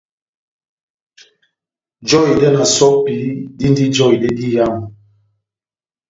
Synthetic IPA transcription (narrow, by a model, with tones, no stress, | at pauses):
d͡ʒɔ˦˨i˨dɛ˦na˨sɔ˦k̚pi˨˦di˦n˦di˦d͡ʒɔ˦i˨dɛ˦di˦ja˦m˨